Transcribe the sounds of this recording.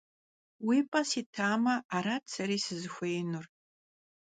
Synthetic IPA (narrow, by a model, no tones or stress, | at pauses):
wipʼɐsitʰaːmɐaɾatʼt͡sʰɐɾiːsɨzɨxʷejnur